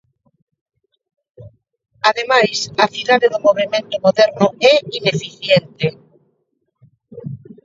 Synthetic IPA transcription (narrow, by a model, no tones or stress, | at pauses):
aðemajsaθiðaðeðʊmoβimẽnt̪ʊmoðɛɾnʊɛinefiθjent̪e